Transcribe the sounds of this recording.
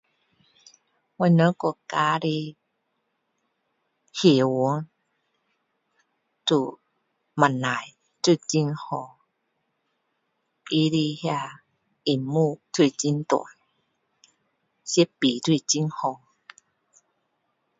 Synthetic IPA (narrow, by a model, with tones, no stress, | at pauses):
wa˧nə̃˧˦kɔ˧˨ka˧˦ɾi˧ | hje˨˩wu˨˦ŋ | tu˧˩ | ma˨na˨j | t̪u˥˧˨t͡ɕi˧˦ŋhɔ˧ | i˦ɾi˧hja˧ | i˨˩mu˧˨t̪ʰwi˧˨t͡ɕi˦nt̪wa̰˨n | si˦pi˨t̪ʰwi˥˧t͡ɕi˧˦nhɔ˧˨